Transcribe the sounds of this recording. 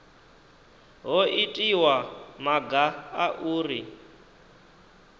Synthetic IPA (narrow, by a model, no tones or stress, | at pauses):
ɦɔʔitʼiwamaɡaaʔuːri